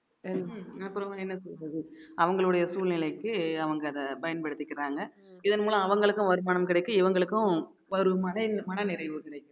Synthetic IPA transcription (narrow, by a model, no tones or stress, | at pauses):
ɐɐpːɯɾɐmɛnːɐsɔlɾɐðɯɐʋɐŋɡɐɭɯɽɐjɐsuːɭnɪlɐɪkːɯɐʋɐŋɡɐːðɐpɐjɐnpɐɽɯt̪ːɪkːɪɾaːŋɡɐɪðɐnmuːlɐ̃ɐʋɐŋɡɐɭɯkːɯ̃ʋɐɾɯmaːnɐmkɪɽɐɪkːɯɪʋɐŋɡɐɭɯkːʊ̃ | ʋɐɾɯmɐnɐmɐnɐnɪɾɐɪʋɯkɪɽɐɪkːɯ̃